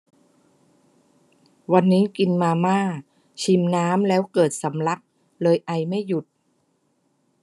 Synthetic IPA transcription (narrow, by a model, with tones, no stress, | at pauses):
wa˧nːiː˦˥ki˧nmaː˧maː˥˩ | t͡ɕʰi˧mnaː˦˥mlɛː˦˥wkɤː˨˩t̪̚sa˩˦mla˦˥k̚ | lɤː˧jʔa˧jma˥˩jːu˨˩t̪̚